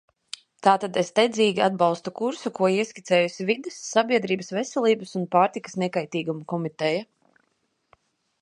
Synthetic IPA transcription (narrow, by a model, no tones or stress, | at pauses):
t̪aːt̪ad̪est̪ɛd̪ziːɡʲiad̪bɑlˠst̪ukuɾsukuɔiɛsʲkʲit̪sɛːjusʲivid̪esːabʲiɛd̪ɾiːbəsvɛsɛlˠiːbɐsunpaːɾt̪ikə̥snɛkajt̪iːɡumukɔmit̪ɛja